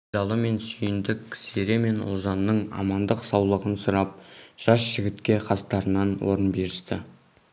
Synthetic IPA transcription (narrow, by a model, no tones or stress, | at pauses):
d̪ɑlˠəme̞nsʏjɪnd̪ɪkʲseɾe̞me̞nʊ̰lˠzɑnːəɴɑ̰mɑnd̪əqsɑwlˠəʁənsʊɾɑp̚ʒ̥ɑsʒ̥ɪɡʲɪt̪kʲe̞qʰɑst̪ɑɾənɑnwo̞̰ɾənbe̞ɾɪst̪ɪ